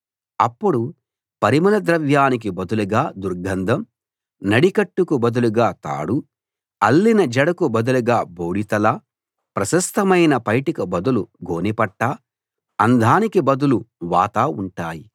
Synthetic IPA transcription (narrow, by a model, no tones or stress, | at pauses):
ɐpːuɽu | pɐɾimɐlɐd̪ɾɐʋjaːnik̬ibɐd̪uluɡaːd̪uɾɡʱɐnd̪ʱɐm | nɐɽikɐʈːukubɐd̪uluɡaːt̪a̰ːɽu | ɐlːinɐd͡ʒɐɽɐkubɐd̪uluɡaːboːɽit̪ɐla | pɾɐʃɐst̪ʰɐmɐjnɐpɐjʈikɐbɐd̪uluɡoːnipɐʈːaː | ɐnd̪ʱaːnikibɐd̪uluʋa̰ːt̪aːuɳʈaːji